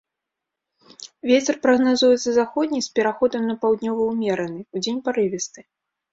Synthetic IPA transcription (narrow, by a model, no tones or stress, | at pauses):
vʲet͡sʲɛrpɾɐɣnazujɛt̪sɐzaxɔd̪ʲnʲispʲɛɾaxɔd̪ɐmnɐpawd̪nʲɔvɐwmʲɛɾɐnɨud͡zʲenʲpaɾɨvʲɛst̪ɨ